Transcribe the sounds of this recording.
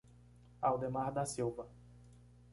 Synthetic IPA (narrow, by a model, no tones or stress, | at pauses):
awd̪emaɾd̪asiwvɐ